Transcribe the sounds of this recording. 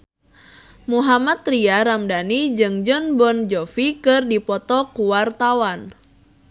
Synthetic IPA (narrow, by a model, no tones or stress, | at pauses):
muɦamat̪ɾiaɾamdanid͡ʒɨŋd͡ʒɔnbɔnd͡ʒɔfikɨrdipɔt̪ɔkuwart̪awan